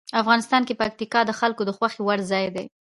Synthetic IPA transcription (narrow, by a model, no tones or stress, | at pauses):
afɣɑnɪst̪ɑnkepak̚t̪ikɑd̪əxalkod̪əxwaxewaɽzɑjd̪e